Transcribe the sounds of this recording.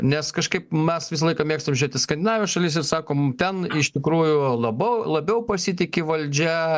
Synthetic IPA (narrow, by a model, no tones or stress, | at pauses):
nʲɛskɐʃkɐɪpmʲɛsʋʲɪsɐlˠɐɪkɑːmʲeːkst̪ɐmʒʲʊɾʲeːt̪ʲɪskɐnd̪ʲɪnɑːʋʲeːʃɐlʲɪs̬ɪɾsɑːkoːmt̪ʲɛnɪʃt̪ʲɪkɾuːjʊlˠɐbɐʊlˠɐbʲɛʊpɐsʲit̪ʲɪkʲɪʋɐlʲd͡ʒʲɛ